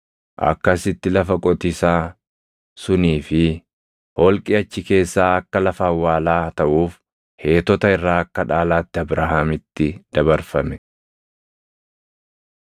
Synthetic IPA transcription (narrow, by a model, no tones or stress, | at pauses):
ʔɐ̰kːɐsɪt̪ːɪlɐfɐkʼɔt̪ɪsaː | sʊniːfɪ | hɔlkʼɪɐt͡ʃːɪke̞ːsːaːɐkːɐlɐfɐɐwːaːlaːt̪ɐʔuːf | he̞ːt̪ɔt̪ɐɪrːaːɐkːɐᶑaːlaːt̪ːɪɐbɾaːhaːmɪt̪ːɪd̪̥ɐbɐɾfɐmɛ